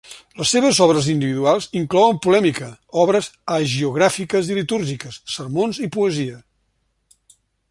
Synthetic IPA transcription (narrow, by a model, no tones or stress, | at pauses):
ləsːeβəzɔβɾəzind̪iβiðualˠziŋklɔwəmpulɛmikəɔβ̞ɾəzəʒiuɣ̞ɾafikəzilit̪uɾʒikəsːərmonzipuəziə